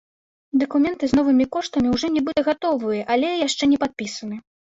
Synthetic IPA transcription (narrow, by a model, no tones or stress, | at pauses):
d̪ɐkumʲɛnt̪ɨznɔvɨmʲikɔʂt̪ɐmʲiwʐɔnʲɛbɨt̪ɐɣat̪ɔvɨjɐʔalʲɛjaʂt͡ʂɛnʲɛpat̪̚pʲisɐnɨ